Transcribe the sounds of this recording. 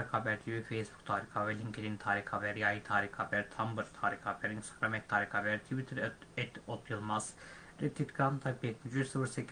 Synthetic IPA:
ɾikabɛɾt̪ʰibifejsbu̥kt̪ʰaːɾixavɛlʲiŋkʰed̪int̪ʰaːɾixavɛɾjajit̪ʰaːɾixavɛɾt̪ʰambɯɾt̪ʰaːɾixavɛɾinst̪ḁɡɾamɛtt̪ʰːaːɾixavɛɾt̪ʰivit̪ʰɨɾɛt̪ʰot̪ʰjɯlˠmaz̥ | ɾɛt̪ʰːit̪ɡɾant̪ʰabɛt̪myd͡ʒysɯvɯɾsɛk

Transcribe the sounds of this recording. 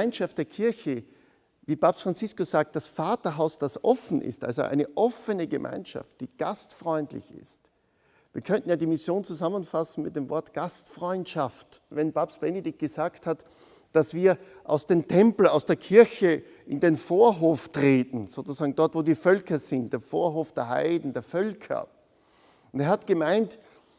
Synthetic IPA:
ɪnʃaft̚d̥eːɐkʰɪɐçə | viːpʰapstfʁ̥ant͡sɪskʊsz̥aːk̚t̚d̥asfaːtɐɦaʊsd̥asʔɔfn̩ʔɪ̰stʔa̰lzo̰ʔæ̰ɪnəʔɔfənəɡəmʔã̰ɪnʃa̰ft̚d̥iːɡ̥a̰stfʁɔʏntlɪ̰çɪ̰st | viːɐkʰœnʔn̩jaːdiːmɪsjoːnt͡suzamənfasn̩mɪt̚d̥eːmvɔɐtɡ̥astfʁɔʏntʃaftvɛnpapsb̥ɛnedɪk̚tɡ̥əzaːkthat | d̥asv̥iːɐ | ʔa̰ʊsd̥eːmtʰɛmpl̩aʊsd̥eːɐkʰɪɐçə | ʔɪndeːnfoːɐɦoːftʁ̥eːtn̩z̥oːt͡susaːɡŋ̩dɔɐtv̥oːdiːfœlkɐzɪntd̥eːɐfoːɐɦoːfd̥eːɐha̰ɪdn̩deːɐfœlkʰɐ̰ | ʊnteːɐhatɡ̥əmaɪnt

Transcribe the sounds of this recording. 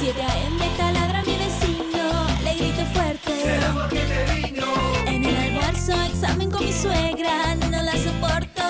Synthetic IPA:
sjeðeaemmet̪alaðɾamiðesinoleɣɾit̪ofweɾt̪eoeeβinoenũnaɣaɾsoeksamẽŋkomisweɣɾanõlasopoɾt̪o

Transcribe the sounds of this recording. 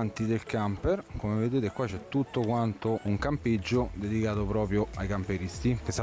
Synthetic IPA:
nt̪id̪elkamperkomeved̪eːt̪ekwat͡ʃɛt̪ːut̪ːokwant̪oʔuŋkamped͡ʒːod̪ed̪ikaːt̪opɾɔːpɾjoajkampeɾist̪ikesːa

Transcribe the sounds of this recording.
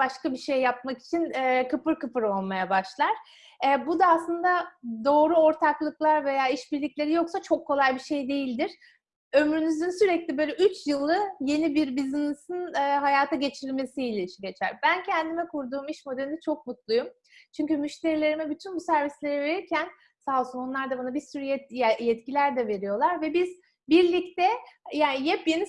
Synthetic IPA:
baʃkabiʃejːap̚maki̥t͡ʃʰinɛkɯpɯɾkɯpɯɾo̞lˠmajabaʃlˠaɾ̥ | ɛbud̪aːslˠɯnd̪ad̪o̞ːɾuo̞ɾt̪ʰaklˠɯklˠaɾve̞jaːiʃbiɾlʲiclʲe̞ɾijo̞ksat͡ʃʰo̞kʰːo̞lˠajbiʃe̞jd̪e̞jilʲd̪iɾ̥ | ø̞mɾynyzynsyɾɛclʲibø̞ːlʲɛyt͡ʃjɯlˠːɯje̞nibiɾbiznesinːɦajaːt̪ʰaɟe̞t͡ʃʰilʲme̞silʲɛiʃɛɟe̞t͡ʃʰæ̰ɾbæncʰɛnd̪imɛkuɾd̪uːmiʃmo̞d̪elʲinɛt͡ʃʰo̞k̚mut̪lˠujum | t͡ʃʰyɲcymyʃt̪ʰe̞ɾilʲe̞ɾimɛbyt̪ʰynbusæɾvislʲe̞ɾɛve̞ɾiɾcʰæn | saːlˠsunonlˠaɾd̪abanabiɾsyɾyjɛjɛt̪cilʲæɾd̪ɛve̞ɾijo̞lˠaɾvɛbiz̥ | biɾlʲic̚t̪ʰɛjaːnijɛpjeni

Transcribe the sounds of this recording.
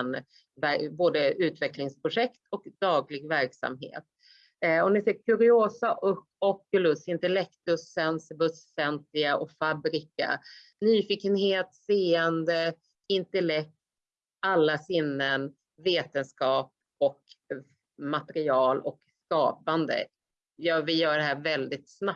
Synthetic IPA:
n | væboːd̪əʉ̟ːt̪vɛklɪŋspʰɾʊʂɛkt̪ʰɔkd̪ɑːɡlɪɡvæɾksa̰mɦḛːt̪̚ | ɔmnɪfɪkʰːɵɾɪoːsaʔʊ | ɔkːɵlɵsɪnt̪ɛlɛkt̪ɵsɛnsɪbɵsːɛnt̪ɪɡaʔɔkfabɾɪka̰ | nyːfiːkːənɦeːt̪seːənd̪ə | ɪnt̪ɛlɛk̚tt̪ | alːasɪnːən | veːt̪ənskɑːp̚ | ɔk | mat̪ɛɾɪɑːlɔ̰kskɑ̰ːpand̪ə̰ | jɑːvɪjœːɖɛɦæːɾvɛld̪ɪt̪sna

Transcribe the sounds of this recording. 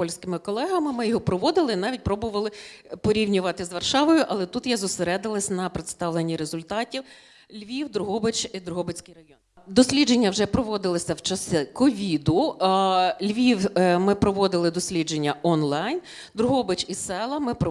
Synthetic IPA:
pɔlʲsʲkɪmɪkɔlˠɛɦɐmɪmɪjɔɦɔpɾɔʋɔd̪ɪlˠɪinɑʋʲit̚ʲpɾɔbʊʋɐlˠɪpɔɾʲiwnʲʊʋɑt̪ɪzʋɐrʃɑʋɔjʊʔɐlˠɛt̪ut̪jazʊseɾɛd̪ɪlˠɐsʲnɐpɾɪt̪st̪ɑʋlenʲːiɾezʊlʲt̪ɑtʲiw | lʲʋʲiwd̪ɾʊɦɔbɪt͡ʃid̪ɾʊɦɔbɪt͡sʲkɪjɾɐjɔn | d̪ɔsʲlʲid͡ʒenʲːɐwʒɛpɾɔʋɔd̪ɪlˠɔsʲɐwt͡ʃɐsɛkɔʋʲid̪ʊ | lʲʋʲiwmɪpɾɔʋɔd̪ɪlˠɪd̪ɔsʲlʲid͡ʒenʲːɐɔnlˠɑjn | d̪ɾʊɦɔbɪt͡ʃʲisɛlˠɐmɪpɾɔ

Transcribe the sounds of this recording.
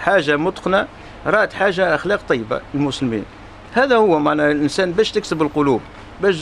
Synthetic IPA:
ħaʒːamʊt̪ˤqna | ɾˤɑʔt̪ħaʒːaʔəxlɑqt̪ˤɑjːba̰əlmʊslmḭn | hæd̪æhʊwːæmaʕnælʔənsænbæʃt̪əksəbəlqolub | bæʃ

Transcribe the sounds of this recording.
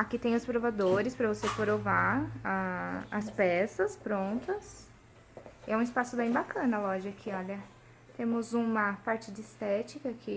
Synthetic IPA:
akit̪ẽj̃ʊspɾovad̪oɾɪspɾɐvosepɾovaaɐspɛsɐspɾõnt̪ɐs | ɛũɪispasʊbẽj̃bakɐ̃nɐlɔʒɐakʰɪɔʎɐ | t̪ẽmʊzũmɐpaɾt͡ʃɪd͡ʒɪɪst̪ɛt͡ʃikɐkʰɪ

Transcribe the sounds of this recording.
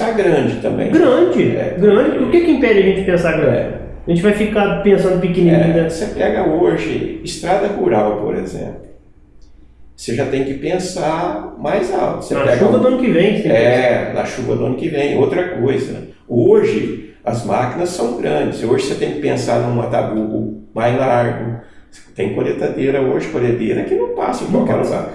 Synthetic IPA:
aɡɾɐ̃d͡ʒɪt̪ɐ̃mbḛ̃j̃ɡɾɐ̃d͡ʒɪɛ̰ɡɾɐ̃d͡ʒɪpʊɾʊɾkʲekɪĩmpɛd͡ʒɪɐʒẽnt͡ʃɪ̥pẽsaɡɾɐ̃d͡ʒɪɪ | ʒẽnt͡ʃɪvajfikapẽsɐ̃nd̪ʊpɪkinĩẽsepɛɡɐoʒɪ̰ɪst̪ɾad̪ɐhuɾawpo̰ɾḛzḛ̃plʊ | seʒat̪ẽj̃kɪpẽsamajza̰wɐseapɛɡʃuvɐd̪ʊɐ̃nʊkɪvẽj̃siɛnɐ̰ʃuvɐd̪ʊɐ̃nʊkɪvẽj̃owt̪ɾɐkojzɐ̰ | oʒɪ | ɐzmakinɐsːɐ̃w̃ɡɾɐ̃d͡ʒɪsoʒɪset̪ẽj̃kɪ̥pẽsaɾnʊ̃mat̪abuɡʊ̰majlaɾɡʊ̥ | t̪ẽj̃kolet̪ad̪eɾɐoʒɪkoled̪eɾɐkɪnɐ̃w̃pasɐ̃kwawkɛɾlṵɡa̰ɾ

